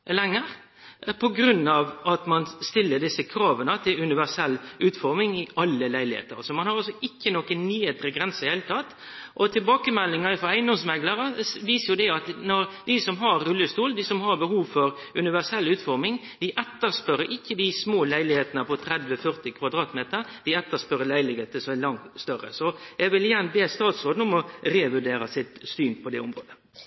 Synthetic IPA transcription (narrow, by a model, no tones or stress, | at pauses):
lɛŋːəɾ | pʰɔɡɾʉnːɑʋɑt̪mɑnst̪ɪlːəɖɪsːəkʰɾɑːʋənət̪ʰɪlʉnɪʋæʂɛlːʉːt̪fɔɾmɪŋɪʔɑlːəlæɪlɪhḛːt̪ə̰ɾsɔmɑnhɑɾɑlsɔɪkːənokənnyːheːt̪əɾəɡɾɛnsəheːlət̪ʰɑt̪ | ʔɔt̪ʰɪlbɑːkəmɛlːɪŋɑɪfɔæɪnd̪ɔmsmɛɡləɾəʋiːsəɾjʊd̪ɛɑt̪nɔɾd̪ɪsɔmɦɑɾːʉlːəst̪uːld̪ɪsɔmhɑɾbəhuːʋfɔɾ | ʉnɪʋæsɛlːʉːt̪fɔɾmɪŋ | d̪ɪʔɛt̪ːəspœɾəɾʔɪkːəd̪ɪsmoːlæɪlɪheːt̪ənəpɔt̪ʰɾɛd̪ʋəfœɾt̪ɪkʰʋɑd̪ɾɑːt̪meːt̪əɾd̪ɪɛt̪ːəspœɾːəlæɪlɪheːt̪əsɔmælɑŋt̪st̪œɾə̰sɔjɛɡʋɪlɪjænbeːst̪ɑːt̪sɔːd̪n̩ʊmɔɾeːʋʉɖeːɾɑsɪt̪st̪yːnpʰɔd̪ɛʊmɾoːd̪ə